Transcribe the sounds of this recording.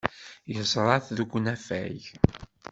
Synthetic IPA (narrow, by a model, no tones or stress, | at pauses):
jəzˤɾˤɑθðɡʷːnæfæ̰ʝ